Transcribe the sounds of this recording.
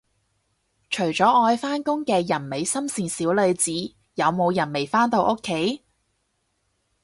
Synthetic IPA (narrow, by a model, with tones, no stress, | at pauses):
t͡ʃʰɵ˨˩ɥt͡ʃɔː˨˥ɔː˧jfaː˥nkʊ˥ŋkɛː˧jɐ˨˩nme˨˧jsɐ˥msiː˨nsiː˨˥wlɵ˨˧ɥt͡siː˨˥ | jɐ˨˧wmo˨˧wjɐ˨˩nme˨˩jfaː˥nt̪o˧wʔoʊ˥kʰːe˨˥j